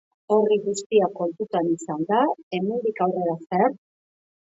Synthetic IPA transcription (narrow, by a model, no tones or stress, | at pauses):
o̞riɣust̪iako̞lt̪ut̪anisand̪ae̞mend̪ikawre̞ɾaseaɾ